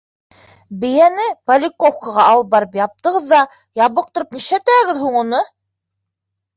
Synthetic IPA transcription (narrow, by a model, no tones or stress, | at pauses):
bɘ̆jænɘpɐlʲɪkofkəʁɑɑlˠɤbɑɾɤpjɑp̚t̪ɤ̆ʁɤðːɑ | jɑβɤq̚t̪ŏɾɤp̚niʃæt̪æɡɘðɦuɴunɤ